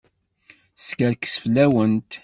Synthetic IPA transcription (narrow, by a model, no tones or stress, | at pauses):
skəɾkə̥sflæwənt̪